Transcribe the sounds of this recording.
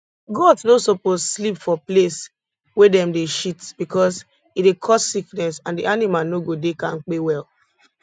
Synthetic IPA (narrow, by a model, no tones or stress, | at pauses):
ɡɔdsnosopozslipfɔples | wɛdɛ̃mdeʃitb̥ikɔs | idekʰɔsːiknɛsãndiʔanimalnoɡodekãnk͡pewɛl